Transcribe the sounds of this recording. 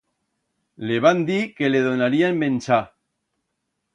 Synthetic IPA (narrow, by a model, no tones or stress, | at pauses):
leβand̪ikeleðonaɾiaembenʲt͡ʃa